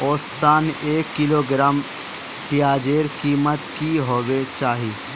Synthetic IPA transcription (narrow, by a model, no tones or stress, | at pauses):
oːst̪aːneːkːɪloːɡɾaːm | pijaːd͡ʒeːɾkiːmət̪kiɦoːwet͡ʃaːɦiː